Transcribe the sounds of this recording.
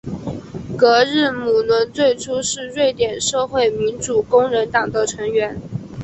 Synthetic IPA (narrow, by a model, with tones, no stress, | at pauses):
kɤ˧˥ɻ̩˥˩mu˨˩nwə˧˥nt͡swe˥˩ɪʈ͡ʂʰu˥ʂɻ̩˥˧ɻwe˥˩ɪt̪jɛ˨˩nʂɤ˥˧xwe˥˩ɪmi˧˥nʈ͡ʂu˨˩kʊ˥ŋɻə˧˥nt̪ɑ˨˩ŋd̪ə˦ʈ͡ʂʰɤ˧˥ŋɥɛ˧˥n